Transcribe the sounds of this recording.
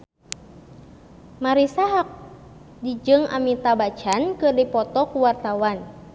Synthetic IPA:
maɾisaɦak̚ | did͡ʒɨŋa̰mit̪abat͡ʃankɨrdipɔt̪ɔkuwart̪awan

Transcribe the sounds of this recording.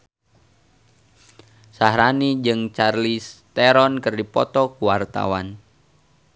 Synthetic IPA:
sahɾanid͡ʒɨŋt͡ʃarlist̪ɛɾɔnkɨrdipɔt̪ɔkuwart̪a̰wan

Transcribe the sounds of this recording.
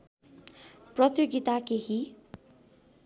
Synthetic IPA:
prʌt̪joɡit̪akeɦi

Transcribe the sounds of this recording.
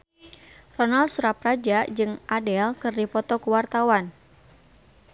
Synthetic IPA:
rɔnaldsuɾaprad͡ʒad͡ʒɨŋʔadɛlkɨrdipɔt̪ɔkuwart̪awan

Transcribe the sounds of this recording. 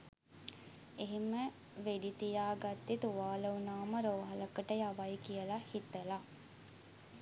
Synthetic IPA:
eɦimə | ʋeɖit̪ijaːɡat̪ːit̪uʋaːləunaːməɾoːɦaləkəʈəjaʋajkijəlahit̪əla

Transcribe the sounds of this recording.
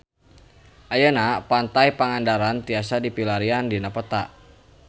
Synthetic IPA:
ʔajənapant̪ajpəŋandaɾant̪iasadipilaɾiandinapət̪a̰ʔ

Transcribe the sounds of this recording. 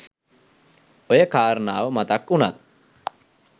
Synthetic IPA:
ojekaːɾnaːwmɐt̪akuna̰t̪̚

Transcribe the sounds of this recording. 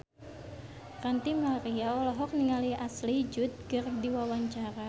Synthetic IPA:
rant̪imaɾiaɔlɔɦɔk̚niŋaliʔaslid͡ʒʊt̪̚ɡɨrdiwawaɲt͡ʃaɾa

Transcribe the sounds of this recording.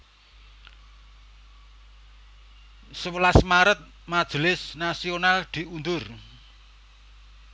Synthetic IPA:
səwəlasmaɾət̪̚ | mad̥ʒ̥əlɪsnasionald̪̥i̤und̪ʊr

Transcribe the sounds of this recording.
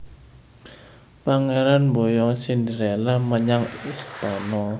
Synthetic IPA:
paŋeɾanmbojɔsind̪iɾɛlaməɲaŋist̪ɔnɔ

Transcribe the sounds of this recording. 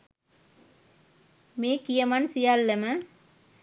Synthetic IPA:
meːkijɐmansijalːəmə

